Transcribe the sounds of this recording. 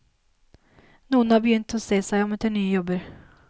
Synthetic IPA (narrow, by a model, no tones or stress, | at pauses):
nuːənhaɾbɛjʏnt̪ɔseːsæjɔmɛt̪ʰɛnːyːjɔbəɾ